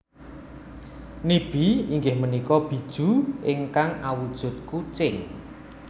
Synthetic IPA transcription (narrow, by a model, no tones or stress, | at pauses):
nib̥iiŋɡɪhmənikɔb̥i̤d̥ʒ̥ṳʔɪŋkaŋawud̥ʒ̥ʊ̤t̪̚kut͡ʃɪŋ